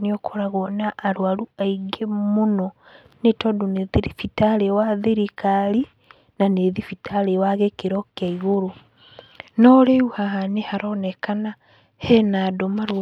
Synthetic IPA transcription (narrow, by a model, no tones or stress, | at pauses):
niɔkʰɔɾaɣɔnaʔːɾwaɾuaiɡemonɔ | netɔdoneðiɾifitaɾewaðeɾikaɾi | naneðifitaɾewaɣekeɾɔkjaiɣoɾo | nɔɾeuhaɦanehaɾɔnɛkana | hɛnadomaɾ